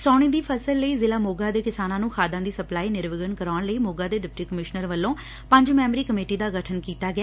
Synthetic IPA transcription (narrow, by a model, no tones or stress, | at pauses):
sɔːɽ̃iːd̪iːpʰəsəlːəiːzɪlaːmoːɡaːd̪eːkɪsaːnãːnũːkʰaːd̪ãːd̪iːsəplaːiːnɪɾʋɪɡənkəɾaːɳləiːmoːɡaːd̪eːɖɪp̚ʈiːkəmɪʃnəɾʋəlːõː | pəɲd͡ʒmɛːmɾiːkəmeːʈiːd̪aːɡəʈʰənkiːt̪aːɡɪaː